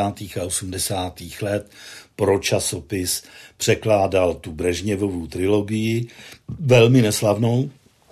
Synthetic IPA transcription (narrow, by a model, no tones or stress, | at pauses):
aːt̪iːxaʔo̞sumdɛsaːt̪iːxlɛt̪pɾo̞t͡ʃaso̞pɪspr̝̥ɛklaːdalt̪ubrɛʒɲɛvovuːt̪ɾɪlo̞ɡɪjɪvɛlmɪnɛslavno̞w